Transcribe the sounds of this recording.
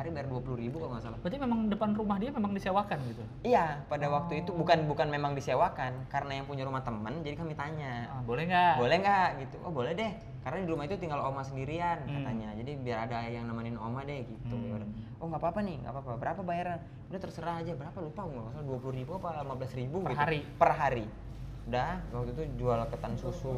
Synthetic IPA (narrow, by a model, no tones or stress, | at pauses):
aɾibajarduapuluɾibukaloŋmasalabət̪imemaŋdəpanrumahdiamemaŋdisewakanɡit̪u | ijapadawak̚t̪uit̪ubukanbukanmemaŋdisewakankaɾənajaŋpuɲaɾumaht̪əmənd͡ʒadikamit̪aɲabolɛŋɡabolɛhŋɡaʔɡit̪uʔɔhbolɛhdɛh | kaɾənadiɾumahit̪ut̪iŋɡalomasəndiɾiankat̪aɲad͡ʒadibiaɾadajaŋnamanino̰madɛhɡit̪uɾ | ɔŋɡapaːpaniŋɡa̰papabəɾapabajaɾan | udaht̪əɾsəɾaɦad͡ʒabəɾapalupauŋɡamasalduapuluribuapalimabəlasɾibuɡəitɦɾipərɦaɾi | dawak̚t̪uit̪ud͡ʒualkət̪ansusu